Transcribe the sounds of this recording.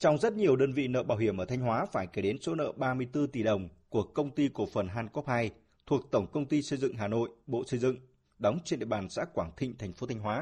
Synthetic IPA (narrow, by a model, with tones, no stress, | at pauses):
t͡ɕɔ˧wŋ͡mzə˦˥t̚ɲi˨˩əwɗəː˧nvḭ˧˨nə̰ː˧˨ɓaː˨˩whi˧˩əmʔəː˧˩t̪ʰa˧ŋ̟ɦwaː˨˦faː˧˩jke˧˩ɗe˨˦nso˨˦nə̰ː˧˨ɓaː˧mɨ˧əjt̪ɨ˧t̪i˨˩ɗə˨˩wŋ͡mku˨˩əkːə˧wŋ͡mt̪i˧ko˧˩fə˨˩nɦaː˧nkɔ˦˥p̚haː˧j | t̪ʰu˨˩ək̚t̪ə˧˩wŋ͡mkə˧wŋ͡mt̪i˧sə˧jzɨ̰˧˨ŋɦaː˨˩no̰˧˨jɓo̰˧˨sə˧jzɨ̰˧˨ŋ | ɗɔ˨˦wŋ͡mt͡ɕe˧nɗḭ˧˨ɓaː˨˩nsa̰ː˧˥kwaː˧˩ŋt̪ʰï˧˨ŋt̪ʰa˨˩jŋ̟fo˨˦t̪ʰa˧jŋ̟ɦwaː˨˦